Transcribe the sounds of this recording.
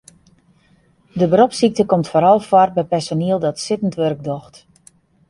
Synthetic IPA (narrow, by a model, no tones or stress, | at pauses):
dəbəɾopsik̚təkɔmtfoːɾɔlˠfɔrbɛjpɛsoniəlˠdɔtsɪtən̩tʋørɡ̚dɔxt